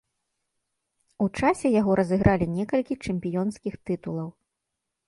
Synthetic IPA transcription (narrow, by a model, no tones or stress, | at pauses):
ut͡ʂasʲɛjaɣɔɾʔɐzɨɣɾʔalʲinʲɛkɐlʲkʲit͡ʂɛmʲpʲijɔnskʲixt̪ɨt̪ulˠɐw